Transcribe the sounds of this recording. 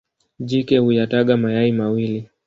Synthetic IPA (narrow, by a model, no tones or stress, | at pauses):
ʄikɛhujataɠamajaimawili